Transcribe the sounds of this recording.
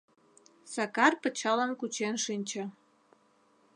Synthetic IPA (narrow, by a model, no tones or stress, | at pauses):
sɑkɑrpət͡ɕɑlənkut͡ɕenʃinʲt͡ɕə̆